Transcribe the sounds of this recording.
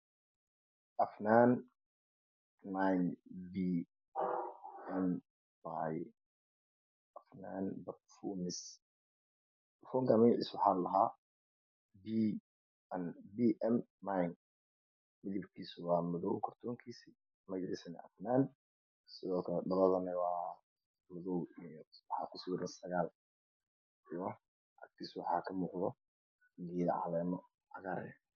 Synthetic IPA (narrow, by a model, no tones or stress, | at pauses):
ʔɐfnaːn | manbiː | ʔɛm | baj | ʔɐfna̰ːnbɐt̪fuːmɪs | fɔːŋkɐmɪnʔiswʊħaːlɐɦaː | bi | ʔɐnbiːʔɛmːaŋ | mɪðibkʰiːsʊwɑːmʊðɔwkʰɔrt̪ʰɔːŋkʰiːsi | mɐjɪsɐnɛ̰ʔɐ̰fnaːn | sɪðɔːkʰɐlɛɖɐlɐðɐnɐwɑː | mʊðɔwijwɑħɑ̰ːkʰʊsʊɾɐnsɐɣaːl | jɔ | ʔɐ̰k̚t̪ʰiːswɑħɑːkʰɐmuːqðɔ | dijðɐ̰ʕɑ̰lɛːmɔ | ʕɑ̰ɣaɾ